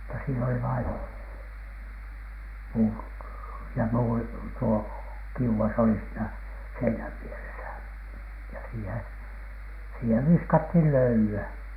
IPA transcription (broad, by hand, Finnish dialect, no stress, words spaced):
mutːɑ siːn oli ʋɑin puːt jɑ muːri tuo kiuw̆ɑs oli siːnæ seinæʋ ʋieresæ jɑ siːhen̥ siheʋ ʋiskɑthiˑn løylyæ